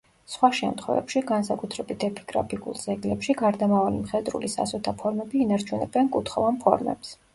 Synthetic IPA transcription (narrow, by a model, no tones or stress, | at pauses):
sχwaʃɛ̰mt̪χwɛ̰vɛ̰pʃiɡansakʼut̪ʰɾɛbit̪ʰɛpʰi̥ɡ̥ɾa̰pʰiṵlˠzɛɡlɛpʃiɡaɾd̪amavalimχɛd̪ɾṵlisa̰sɔt̪ʰapʰɔɾmɛbiːnaɾt͡ʃʰunɛ̰bɛnkʼut̪ʰχɔvanpʰɔ̰ɾmɛ̰ps